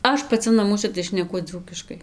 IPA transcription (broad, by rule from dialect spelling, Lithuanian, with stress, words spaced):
ˈɐʃ pɐˈt͡sʲɪ nɐˈmuɔsʲɛ tɐɪ ʃʲnʲɛˈkʊ ˈd͡zuːkʲɪʃkɐɪ